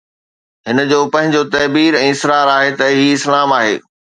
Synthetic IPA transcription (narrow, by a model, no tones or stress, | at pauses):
ɦɪnə̆d͡ʑoːpɐ̃ɦɪ̃ɲd͡ʑot̪ɐːbiːɾɛ̃ːɪsɾaːɾaːɦet̪ɐɦiːɪslaːmaːɦḛː